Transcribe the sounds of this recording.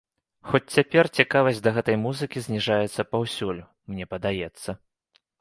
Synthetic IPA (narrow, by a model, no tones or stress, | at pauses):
xɔt͡sʲt͡sʲapʲɛrt͡sʲikavɐsʲtʲd̪ɐɣɛt̪ɐjmuzɨkʲizʲnʲiʐajɛt̪sːɐpawsʲulʲʊ | mnʲɛpɐd̪ajɛt̪sːɐ